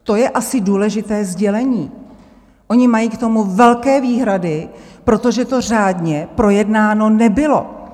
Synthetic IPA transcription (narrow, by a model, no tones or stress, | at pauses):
t̪o̞jɛʔasɪduːlɛʒɪt̪ɛːzɟɛlɛɲiː | ʔo̞ɲɪmajiːkt̪o̞muvɛlkɛːviːɦɾadɪpɾo̞t̪o̞ʒɛt̪o̞r̝aːdɲɛpɾo̞jɛdnaːno̞nɛbɪlo̞̰